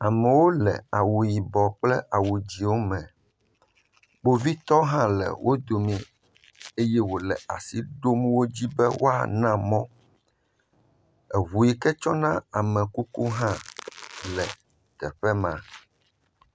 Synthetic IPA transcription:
a˨mɛ̃˨wo˦lɛ̰˨a˨wu˨ji˨bɔ˨k͡plɛ˦ʔa˨wu˨d͡ʑi˨wo˦mɛ̃˨ | bo˦vi˦t̪ɔ˦ɦã˦lɛ̰˨wʔo˦d̪o˨mĩ˦ | e˦jɛ˦wo˨lɛ̰˨a̰˨si˦ɖo˦mũ˦wo˦d͡ʑi˦bɛ˦wo̰˦a̰˨nã˦mɔ̃˦ | ɛ˨βu˨ji˨kɛ˦t͡ʃɔ˦nã˦a˨mɛ̃˨ku˦ku˦ɦã˦ | lɛ˨ | t̪ɛ˨ɸɛ˦mã˨

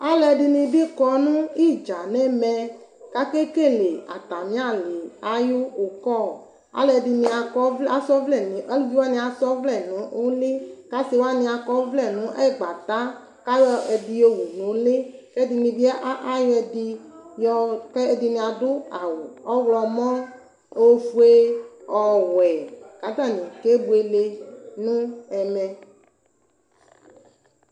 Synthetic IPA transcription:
a˦lɛ˨ɖi˨nĩ˨bi˦kɔ˨˦nũ˦i˦˨d͡ʒa˨nɛ˦mɛ˨ | ka˦ke˦ke˦˨le˨a̰˨t̪a˨mĩ˦a˦˨li˨a˦ju˦o˨kɔ˦˨ | a̰˨˦lɛ˨di˨nĩ˨a˨kɔ˦a˨sɔ˦vlɛ˨nĩ˨a˦lvi˦wa˦nĩ˦a˨sɔ˦vlɛ˦˨nũ˨˦o˦le˦ka˦si˨wa˦nĩ˨a˨kɔ˦vlɛ˨nũ˨˦ʔɛ˦˨ɡ͡ba˨t̪a˦ | ka˦jɛ˨d̪i˨o˦wu˨nũ˨˦le˦ke˦d̪i˨nĩ˨vi˦ɛ˦ʔa˦jɔ˦ɛ˨d̪i˦jɔ˦ke˦e˦d̪i˨nĩ˨a˨do˦a˨wɔ˦wlɔ˨mɔ̃˦ | o˦vu˦e˦ɔ˨wɛ˨ka˨t̪a˦˨nĩ˨ke˦bu˨e˨le˦nũ˦ɛ˨mɛ̃˨

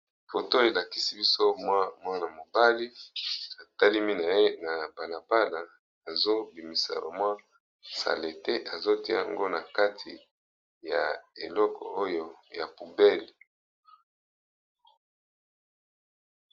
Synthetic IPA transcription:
fo˨to˦e˨la˨ki˦si˦bi˦so˦mwa˦mwa˦na˨mo˨ba˦li˦a˨ta˦li˦mi˦na˨je˦na˨ba˨na˨ba˦la˨ | a˨zo˦bi˨mi˨sa̰˨ɾo̰˨mã˦ | sa̰˨le˨te˦ʔa˨zo˦ti˦a̰˦˨a̰˨ŋɡo˦na˨ka˦tʰi˨ | ja˨e˨lɔ˦kʰɔ̰˨o˦jo˦ja˨pu˨bɛ˦˨l

